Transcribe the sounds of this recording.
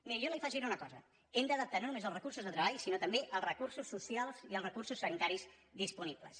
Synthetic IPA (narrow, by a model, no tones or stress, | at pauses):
miɾəjolifaʒiɾunəkɔzə | emd̪əðəp̚t̪anonumezəlˠrəkursuzðət̪ɾəβaʎsinot̪əmbeʔəlˠzrəkursusːusialˠziəlˠrəkursusːənit̪aɾiz | ðispuniblə̰s